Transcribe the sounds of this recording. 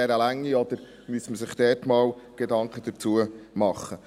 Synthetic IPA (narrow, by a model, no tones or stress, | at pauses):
ɛɾəlæŋːiɔd̪əɾ | myəsməsɪχd̥̪ɛːtmɑːwɡ̥edɑŋkχəd̥̪əɾt͡suəmɑχːə